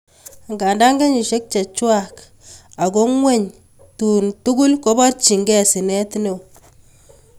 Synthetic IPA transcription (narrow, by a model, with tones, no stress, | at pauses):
ŋɡa˨nda˦ŋɡe˦ɲi˨ʃe˦k̚t͡ʃa˨t͡ʃwa˨k | a˨ɡo˦ŋwɛ˦ɲ | tu˨ntu˦ɡu˦lko˦ba˦rt͡ʃi˨ŋɡɛ˦˨si˨nɛ˦tne˨w